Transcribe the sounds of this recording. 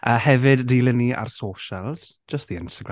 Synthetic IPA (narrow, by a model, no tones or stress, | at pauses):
ʔəːhɛvɨdːiːlˠɪniʔa̰rsoːʃəlˠz̥d͡ʒəst̚ðiɪnstəɡɾa